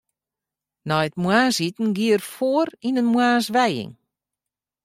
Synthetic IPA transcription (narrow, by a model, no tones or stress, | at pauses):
nɔjtmwaːsitn̩ɡiərfoəɾinənmwaːsʋɛjɪ̰ŋ